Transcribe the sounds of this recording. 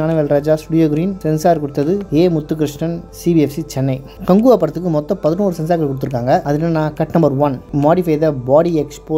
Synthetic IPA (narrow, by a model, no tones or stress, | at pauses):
aːnɐʋeːlɾaːd͡ʒaːsʈʊɽɪjoːɡɾiːnsɛnsaːɾkʊɽɯt̪ːɐðɯeːmʊt̪ːɯk̬ɾɪʂɳɐnsibiɛfsit͡ʃɛnːɐɪ | kɐŋɡuːʋapːɐɽɐt̪ːɯkːɯmɔt̪ːɐ̃pɐðɯnuːɾɯsɛnsaːkːɐɭkːʊɽɯt̪ːɯɾɯkːaːŋɡɐʔɐðɯnːanãːkɐʈnɐmbɐɾʋɐnmaːɽɪfɐɪðɐbaːɽiɛkspoː